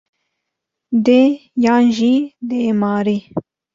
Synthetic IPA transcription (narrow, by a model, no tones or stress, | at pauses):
d̪ejɑnʒid̪emɑːɾi